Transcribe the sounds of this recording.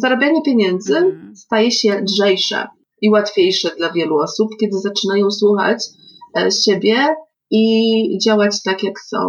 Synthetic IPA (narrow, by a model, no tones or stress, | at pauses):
zaɾɔbʲjaɲɛpʲjeɲɛnd̪zɘst̪ajɛɕɛlʐɛjʂɛ̰ | iwat̪fʲjejʂɛd̪lavʲjɛluɔsup̚kʲɛd̪ɘzat͡ʂɘnajɔ̃w̃swuxa̰t͡ɕ | ɕebʲjɛ | id͡ʑawat͡ɕt̪akʲjaksɔ̰̃w̃